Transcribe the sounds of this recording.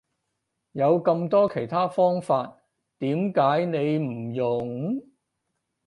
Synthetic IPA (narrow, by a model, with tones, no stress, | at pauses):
jɐ˨˧wkɐ˧mt̪ɔː˥kʰe˨˩jt̪ʰaː˥fɔː˥ŋfaː˧t̚ | t̪iː˨˥mkaː˨˥jne˨˧jm̩˨˩jʊ˨˩ŋ